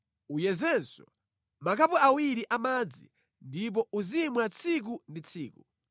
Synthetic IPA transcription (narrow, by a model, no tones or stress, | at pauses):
ujɛzɛnsɔ | makʰapɔawiɾiʔamad͡zḭ | ndip̬ɔuzimwɛat͡sʰik̬undit͡sʰiːku